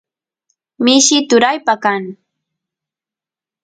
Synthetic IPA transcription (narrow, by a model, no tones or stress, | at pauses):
mɪʃɪt̪ʊɾajpakaŋ